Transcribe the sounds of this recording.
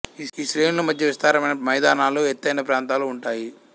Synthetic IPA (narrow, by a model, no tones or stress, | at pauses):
iːʃɾeːjnulɐmɐd̪ʱjɐʋist̪aːɾɐmɐjnɐmɐjd̪aːnaːluet̪ːɐjnɐpɾaːnt̪aːluːɳʈaːji